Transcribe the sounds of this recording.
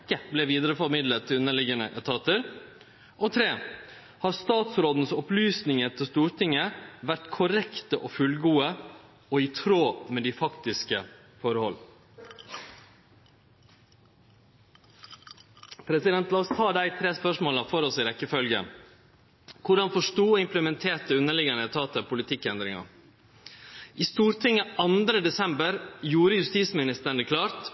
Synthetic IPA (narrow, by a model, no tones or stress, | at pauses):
kːəblɛʋiːd̪əɾəfɔɾmɪd̪lət̪ʰːɪʉnəɭɪɡənəʔɛt̪ʰɑːt̪əɾ | ʔɔt̪ʰɾeː | hɑːɾst̪ɑːt̪sɾoːd̪n̩əsɔplyːsnɪŋət̪ʰɪst̪uːɾʈ̪ʰɪŋːəʋæɾʈ̪kʰʊɾɛkt̪əʔɔfʉlɡuːə | ɔit̪ʰɾoːmɛd̪ifɑkt̪ɪskə | fɔɾəhɔl | pʰɾɛsɪd̪ɛnt̪lɑːɔst̪ʰɑːd̪æɪt̪ʰɾeːspœʂmoːlɑfɔɾɔsɪɾɛkːəfœlɡə̰ | kʰʊɖɑnfɔʂʈuːɔɪmpləmɛnt̪ʰeːʈəʉnəɭɪɡɑnət̪ʰɑːt̪əpʰʊlɪt̪ʰɪkːɛnd̪ɾɪŋɑ̰ | ʔiːst̪uːɾt̪ʰɪŋːəʔɑnd̪ɾəd̪ɛsɛmbəɾjuːɾəjʉst̪iːsmɪnɪst̪əɳəkʰlɑːɾt̪